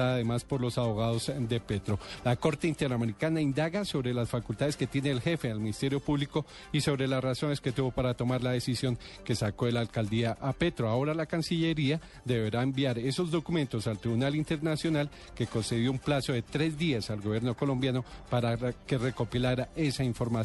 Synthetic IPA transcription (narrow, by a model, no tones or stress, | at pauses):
aaðe̞maspo̞ɾlo̞saβo̞ɣaðo̞z̥d̪e̞pe̞t̪ɾo̞lako̞ɾt̪eint̪e̞ɾameɾikanaind̪aɣaso̞βɾe̞lasfakult̪aðe̞ske̞t̪je̞ne̞ːlxe̞fe̞alminist̪e̞ɾjo̞puβliko̞ | iso̞βɾe̞lasraso̞ne̞sket̪uβo̞paɾat̪o̞maɾlað̞e̞sisjo̞ŋ | ke̞sako̞elalkald̪iaʔapet̪ɾoao̞ɾalakansiʎe̞ɾia | d̪e̞βe̞ɾaembjaɾe̞so̞zd̪o̞kumẽ̞nt̪o̞salt̪ɾiβunalint̪e̞ɾnasjo̞nal | ke̞ko̞nse̞ðjo̞umplaso̞ðe̞t̪ɾe̞zd̪iasalɡoβje̞ɾno̞ko̞lo̞mbjano̞paɾake̞re̞ko̞pilaɾaʔe̞saiɱfo̞ɾma